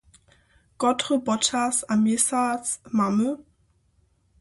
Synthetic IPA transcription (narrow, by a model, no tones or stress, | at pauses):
ɡ̥ɔtʁəbɔtʰasamesaːt͡smamə